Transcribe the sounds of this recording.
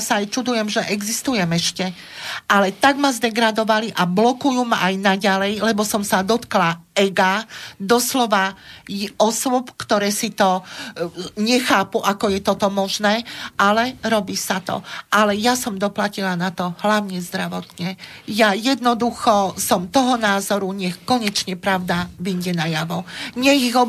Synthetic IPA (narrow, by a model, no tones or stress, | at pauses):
saːjt͡ʃud̪ujɛmʒɛʔɛɡzist̪ujɛmɛʃcɛ | ʔalɛt̪aɡmazd̪ɛɡɾad̪ɔʋaliʔablɔkujumaʔajnaɟalɛjlɛbɔsɔmsad̪ɔt̪klaɛɡad̪ɔslɔʋajɔsʊɔpkt̪ɔɾɛːsit̪ɔ | ɲɛxaːpuʔakɔjɛt̪ɔt̪ɔmɔʒnɛːʔalɛɾɔbiːsat̪ɔ̰ʔalɛjasɔmd̪ɔplacilanat̪ɔɦlaʊɲɛzd̪ɾaʋɔt̪ɲɛjajɛd̪nɔd̪uxɔsɔmt̪ɔɦɔnaːzɔɾuɲɛxkɔɲɛt͡ʃɲɛpɾaʊd̪aʋiɲɟɛnajaʋɔɲɛɣiɣɔ